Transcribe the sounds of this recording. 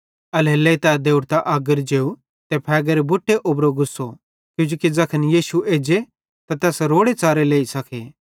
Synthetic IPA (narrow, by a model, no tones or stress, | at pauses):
ɐlɦeːlːet̪ɛːd̪eːuɽt̪aʔaːɡəɾd͡ʒeːu | t̪ɛpʰɛːɡɐɾebʊʈʰːeʔʊbɾoɡʊsːo | kjʊ̃ːd͡ʒoːkid͡zɐkʰənjiːsueːd͡ʒe | t̪at̪ɛːsɾoːɽet͡saːɾeleːisɐkʰeː